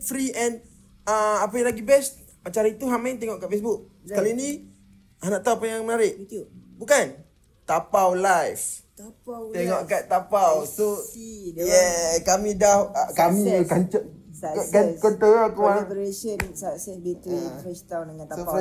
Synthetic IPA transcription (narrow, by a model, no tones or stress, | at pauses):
fɾiɛn | aapajãlaɡibɛs | at͡ʃaɾait̪uɦamaint̪eŋɔʔkaʔfes̬bʊk̚ | səkalinĩ | anaʔt̪awpajaŋmənaɾɪʔ̪bukan | t̪apawlajf | t̪apat̪eŋɔʔkat̪apawso | jɛkamĩdahkamĩəkant͡ʃə | akakənt̪əakwaɛpəɾeʃənsasɛbit̪ɾifɛst̪awndəŋãnt̪aa